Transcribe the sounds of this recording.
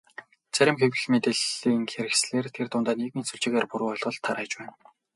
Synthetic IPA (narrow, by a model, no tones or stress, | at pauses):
t͡sæɾʲɪ̆mxew̆ɮmet̪eɮiːŋxeɾɘ̆xsɮeːrt̪ʰert̪ʊnt̪aːneɣmiːt͡suɮt͡ɕɪ̆ɣeːrpuɾuːɔɮʁɞ̆ɮt̪ʰːaɾæːt͡ɕpæːn